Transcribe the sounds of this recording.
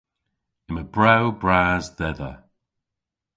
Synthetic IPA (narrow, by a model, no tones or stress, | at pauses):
ɪməbɹawbɹaːzdɛðə